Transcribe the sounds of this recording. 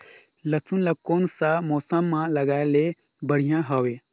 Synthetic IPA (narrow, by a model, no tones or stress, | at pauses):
lɐsunlɐkoːnsamoːsəmːãlɐɡaːele | bəɽ̤ijãɦɐwe